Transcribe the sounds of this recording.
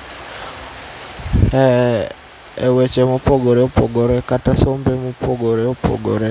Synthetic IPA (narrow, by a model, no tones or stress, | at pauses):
ɛ | ewet͡ʃemopoɡoɾeopoɡoɾekatasombemopoɡoɾeopʰo̰ɡoɾe